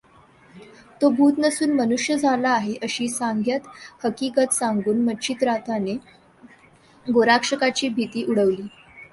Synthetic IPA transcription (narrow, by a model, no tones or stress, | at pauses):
t̪obʱuːt̪nəsuːnmənuʂjəd͡zʱalaːɦeʔəɕiːsaŋɡʱjat̪həkikət̪saŋɡuːnməɕʰiːt̪ɾat̪ʰane | ɡoɾakʂəkat͡ɕiːbʱit̪iːʔuɽəʋliː